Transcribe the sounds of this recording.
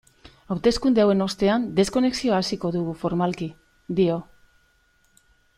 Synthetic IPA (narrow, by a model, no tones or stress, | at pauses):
awt̪e̞skund̪eawe̞no̞st̪e̞and̪e̞sko̞ne̞ksio̞aːsiko̞ðuɣufo̞ɾmalki | d̪io̞